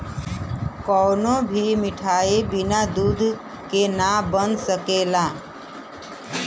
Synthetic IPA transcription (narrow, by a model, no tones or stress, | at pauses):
kɔːnobʱimɪʈʰaːebinad̪ud̪ʱ | kenabənsəkela